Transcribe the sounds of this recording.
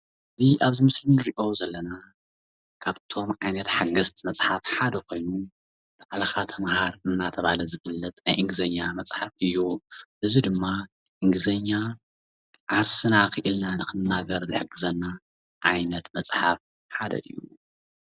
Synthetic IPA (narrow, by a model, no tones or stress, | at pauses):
ʔɨziʔaβzimɨslinɨɾiʔo̞zɐlːɐna | kʰaβt̪ʰo̞mʕajnɐt̪ħaɡɐst̪mɐt͡sʼħafħad̪ɐkʰo̞jnu | b̥aʕlɐxat̪ʰɐmhaɾɨnːat̪ʰɐβalɐzɨfɨlːɐt̪̚najʔɨŋɡɨzɐɲːamɐt͡sʼħafɨjːuʔɨzid̪ɨmːa | ʔɨŋɡɨzɐɲːa | ʕaɾsɨnakɨʔɨlnanɨkɨnːaɡɐɾzɨħɨɡɨzɐnːa | ʔajnɐt̪mɐt͡sʼħaf | ħad̪ɐ̰ʔɨ̰jːṵ